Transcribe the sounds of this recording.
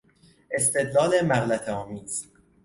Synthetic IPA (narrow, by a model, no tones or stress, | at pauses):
ʔe̞st̪ʰe̞d̪lɒːle̞mæɣlæt̪ʰeɒːmiːz̥